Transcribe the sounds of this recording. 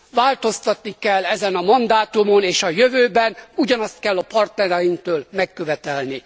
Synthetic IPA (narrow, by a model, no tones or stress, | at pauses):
vaːlt̪o̞st̪ɒt̪nikɛlːɛzɛnɒmɒnd̪aːt̪umo̞neːʃɒjøvøːbɛnuɟɒnɒst̪̚kɛlːɒpɒrt̪nɛɾɛjiŋkt̪øːlmɛkːøvɛt̪ɛlni